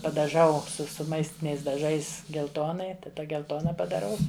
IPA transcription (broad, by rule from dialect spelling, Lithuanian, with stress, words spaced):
pɐdɐˈʒɐʊ sʊ sʊ ˈmɐɪsʲtʲɪnʲɛɪs dɐˈʒɐɪs ɡʲɛlˠˈtoːnɐɪ tɐˈdɐ ɡʲɛlˠˈtoːnɐ pɐdɐˈrɐʊ